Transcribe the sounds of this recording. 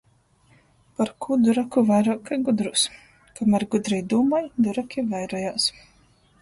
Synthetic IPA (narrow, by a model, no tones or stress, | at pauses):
paɾkʰud̪uɾakuvajɾaːkajɡud̪ɾus | kamæɾɡud̪ɾɛjd̪uːmajd̪uɾakʲivɛjɾɔjaːs